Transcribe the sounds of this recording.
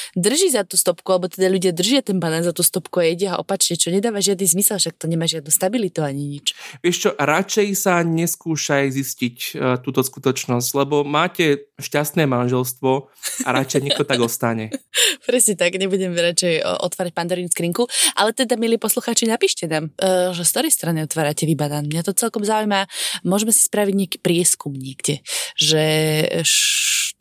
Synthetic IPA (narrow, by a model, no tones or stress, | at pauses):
d̪r̩ʒizat̪uːst̪ɔpkualɛbɔt̪ɛd̪aʎuɟɪad̪r̩ʒɪat̪ɛnpanazat̪uːst̪ɔpkuajɛɟɛa̰ʔɔ̰pat͡ʃɲɛt͡ʃɔɲɛd̪aːʋaʒɪad̪nizmisɛlfʃak̚t̪ɔɲɛmaːʒɪad̪nuːst̪abilit̪uaɲiɲit͡ʃʋɪɛʃt͡ʃɔɾat͡ʃɛjsaɲɛskuːʃajziscict̪uːt̪ɔskut̪ɔt͡ʃnɔs̬ɟlɛbɔmaːcɛʃcast̪nɛːmanʒɛlst̪ʋɔaɾat͡ʃɛjɲɛkt̪ɔt̪aɡɔst̪aɲɛpɾɛsɲɛt̪aɡɲɛbuɟɛmɛɾat͡ʃɛjʔɔ̰t̪ʋaːɾac̚pand̪ɔɾinskɾiŋkuʔa̰lɛt̪ɛd̪amilipɔsluxaːt͡ʃinapiːʃcɛnaːmʒɛst̪ɔɾɛjst̪ɾaniɔt̪ʋaːɾacɛʋibad̪aːnmɲat̪ɔt͡sɛlkɔmzaujmamʊɔʒɛmɛsi̥spɾaʋiɟɲɪaki̥ːpɾɪɛskumɲɪɛɡɟɛʒɛ